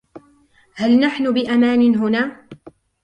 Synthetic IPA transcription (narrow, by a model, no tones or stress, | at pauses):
halnaħnʊbɪʔamaːnɪnɦʊnaː